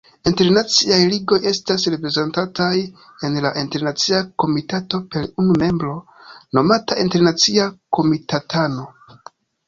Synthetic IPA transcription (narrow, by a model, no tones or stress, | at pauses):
inte̞ɾnat͡siajliɡo̞je̞stasɾe̞pɾe̞zentatʰaj | e̞nlaʔinte̞ɾnat͡siako̞mitato̞pe̞ɾunume̞mbɾo̞no̞mataʔinte̞ɾnat͡siako̞mitatano̞